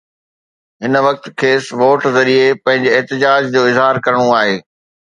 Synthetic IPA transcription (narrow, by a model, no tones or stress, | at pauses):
ɦɪnʋɐk̚t̪kʰeːsʋoːʈzɐɾiepɐ̃ɦɪ̃ɲd͡ʑeɛɦt̪ɪd͡ʑaːd͡ʑd͡ʑoːɪzɦaːɾkɐɾəɽ̃oaːɦeː